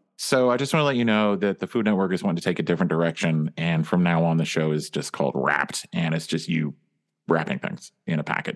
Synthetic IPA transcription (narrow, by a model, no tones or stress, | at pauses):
soʊaɪd͡ʒʌstwɑ̃nəlɛt͡ʃɨnoʊðɨt̪̚ðɨfudⁿnɛt̚wɜ˞kə˞zwɑ̃tɪ̃ŋtɨtʰeɪkɨdɪfɹɨ̃nd̥ə˞ɛkʃɨ̃nɨ̃nfɹʌ̃mnaʊə̃nðɨʃoʊɨzd͡ʒʌskʰɔ̰lˠd̚ɹæ̰p̚tɨ̃ñɨtsd̥ʒ̥ʌst̚jɨ | ɹæ̰pɪ̰̃ŋθɪ̰̃ŋz̥ʔɨ̃ɾ̃ɨpʰæ̰kɨt̚